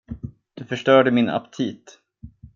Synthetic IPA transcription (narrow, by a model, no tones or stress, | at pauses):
d̪̥ɵfœʂʈœːɖəmɪna̰pt̪ʰiːt̪